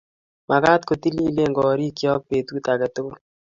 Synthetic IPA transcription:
ma˨ka˦t̪ko˨t̪i˦li˦le˦˨ŋɡɔ˨ɾi˦kjɔ˦k̚pe˨t̪uki˦ta˨kɛ˨t̪ʊ˦ko˦l

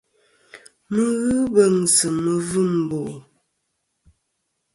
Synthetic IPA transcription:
mə˦˨ɣɨ˦bə˦˨ŋsə˨mə˨vɨ˦˨m˨bo˨

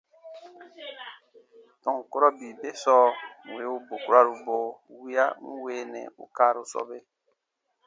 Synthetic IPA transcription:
tɔ̃˨ŋ˨ko˦ɾɔ˦bi˨be˦sɔː˦ŋ̩˨we˨˦u˦bo˨ku˦ɾa˦˨ɾu˨boː˨wi˦a˦ŋ̩˦we˨˦nɛ̰̃˨ṵ˦kaː˦ɾu˦sɔ̰˦be˦

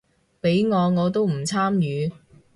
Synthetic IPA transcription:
pe˨˥jŋɔː˨˧ŋɔː˨˧t̪̬o˥wm̩˨˩t͡sʰaː˥mjyː˨˧

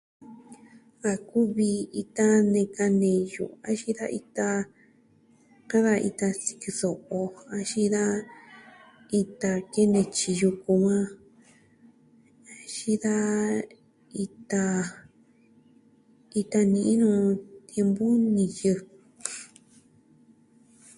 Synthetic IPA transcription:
a˧ku˦βi˧i˧t̪a˧nẽ˧ka˧nẽ˧jṵ˨a˧ʃi˦ða̰˦ʔi˧t̪a˧ | kã˦ða˧ḭ˧t̪a˧si̥˧ki˧so˨ʔo˧a˧ʃi˦ða˦ | i˧t̪a˧ke˦nẽ˧t͡ʃi˧ju˧ku˧mã˦ | a˧ʃi˦ða˦ | i˧t̪a˧ | i˧t̪a˧nĩ˧ʔĩ˦nũː˧t̪je˧mbu˦nĩ˨jɨ˧

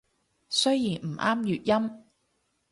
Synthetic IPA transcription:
sɵ˥ɥjiː˨˩nm̩˨˩ʔaː˥mjyː˨t̚jɐ˥m

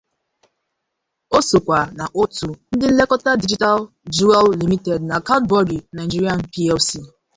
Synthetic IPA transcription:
o˦so˨kʷa˨na˨ʔo˦tu˨n̩˦dɪ˦le˦kɔ˦ta˦di˦d͡ʒi˦ta˦l | d͡ʒu˦ɛ˦lːi˨mi˦te˨dna˨ka˦tbɔ˦ɾi˨na˨ɪ˨d͡ʒi˦ɾi˦a˦npi˦ɛ˦fsi˦

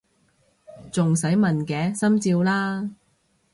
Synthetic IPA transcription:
t͡sʊ˨ŋsɐ˨˥jmɐ˨nkɛː˨˥sɐ˥mt͡siː˧wlaː˥

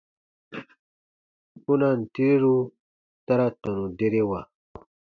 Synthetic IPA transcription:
u˦na˨nt̪i˦ɾu˦ | t̪a˦ɾa˦t̪a˨nu˨d̪e˦ɾe˦wa˨

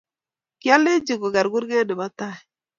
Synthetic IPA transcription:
kja˦le˦d͡ʒi˨ko˨ɡa˨ɾɡu˦ɾɡe˦de˨ba˦ta˦˨

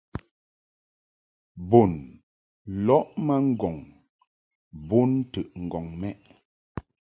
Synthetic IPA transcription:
bo˨n | lɔ˦ʔma˦ŋ̩˦ɡɔ˨ŋ | bo˦n˦tə˨ʔŋ̩˨ɡɔ˨ŋmɛ˦ʔ

